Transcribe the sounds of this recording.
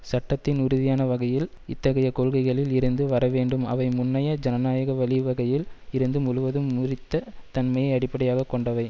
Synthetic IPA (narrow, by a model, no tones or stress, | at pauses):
sɐʈːɐt̪ːɪnʊɾʊðɪjaːnɐʋɐɣɐjɪl | ɪt̪ːɐɣɐjɐkoɭɣɐɪɣɐɭɪlɪɾɯnd̪ɯʋɐɾɐʋeːɳɖɯmɐ̰ʋɐɪmʊnːɐjɐd͡ʒɐnɐnaːjɐɣɐʋɐɭɪʋɐɣɐjɪlɪɾɯnd̪ɯmʊɻʊʋɐðɯmːʊrɪt̪ːɐt̪ɐnmɐjɐɪɐɽɪpːɐɽɐjaːɣɐkːɔɳɖɐʋɐɪ